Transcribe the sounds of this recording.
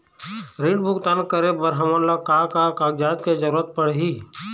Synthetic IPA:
ɾiːɖbʊɡt̪aːnkəɾebəɾɦəməɾlakakakaːɡd͡ʒaːt̪kezəɾuːɾət̪̚pəɽ̤ɦiː

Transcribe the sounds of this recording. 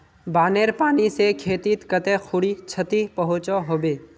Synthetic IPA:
baːneːɾpaːnisekʰeːt̪it̪kət̪ẽxʰʊɽit͡ʃʰət̪ipəɦʊt͡ʃoɦoːbeː

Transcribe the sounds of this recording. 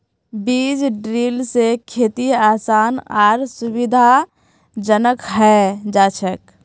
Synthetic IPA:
biːd͡ʒɖɾiːlsekʰeːt̪iaːsaːnaːɾsʊwɪd̪ʱa | d͡ʒənəkɦɛd͡ʒaːt͡ʃʰək

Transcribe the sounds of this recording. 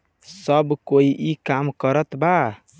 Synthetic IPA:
səbkoiʔikamkəɾət̪ba

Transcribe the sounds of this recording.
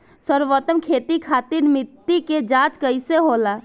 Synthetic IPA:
səɾʋət̪əmkʰeːt̪ikʰaːt̪iɾmɪt̪ːiked͡ʒãːt͡ʃkəɪseɦoːlaː

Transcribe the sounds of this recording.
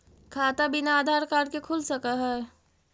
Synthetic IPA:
kʰaːt̪abɪnaaːd̪ʱaːɾkaːɾkekʰʊlsɐkaɦɛː

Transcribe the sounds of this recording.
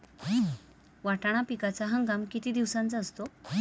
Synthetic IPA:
ʋaʈaɽ̃apikat͡saɦãŋkamkit̪iːd̪iʋsãnt͡saəst̪o

